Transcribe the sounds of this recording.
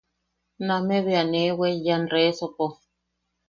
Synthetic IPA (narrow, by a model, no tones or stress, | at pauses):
nameβeanewejanɾesopo